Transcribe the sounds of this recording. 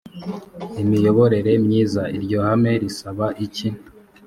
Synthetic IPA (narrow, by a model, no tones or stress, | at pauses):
imijo̞βo̞ɾe̞ɾe̞mɲiːzaiɾɟo̞hame̞ɾisaβaʔicin